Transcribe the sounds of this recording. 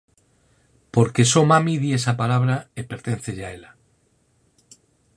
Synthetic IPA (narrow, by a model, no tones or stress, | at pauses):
po̞ɾke̞so̞mamiðie̞sapalaβ̞ɾaepe̞ɾt̪ẽ̞n̟θeʎaela